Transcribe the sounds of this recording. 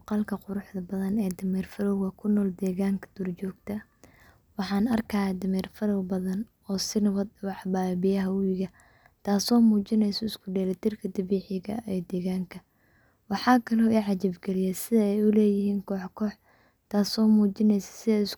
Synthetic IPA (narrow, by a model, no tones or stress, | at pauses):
qɑlkʰɐqʊɾʊħd̪ɐbɐðɐnɛːd̪ɐmɛːrfɐlɔwɣɐkʰʊnɔːld̪ɛːɣaːŋkʰɐ̥d̪̥ɔrt͡ʃɔːɡt̪ʰɐ | wɑħɑːnɐrkʰɐjad̪ɐmɛːrfɐlɔwbɐðɐn | ɔːsɪnɐwɐd̪wɑħbaːbɪjɐɦɐwɪɣɐ | t̪ʰaːsɔːmuːt͡ʃɪnɛjsɔɪskʰʊɖɛːlɛt̪ʰɪrkʰɐd̪ɐβiːħɪɣɐ̰ʔɛːd̪ɛːɣaːŋkʰɐ | wɑħɑːkʰɐlɔːiːʕɑt͡ʃɪbɡɛlɪjɛsɪðɐɛjʊlɛːjɪɦiːŋkʰɔːħkʰɔːħ | t̪ʰaːsɔːmuːt͡ʃɪnɛjsɐ̥sɪðɛɪs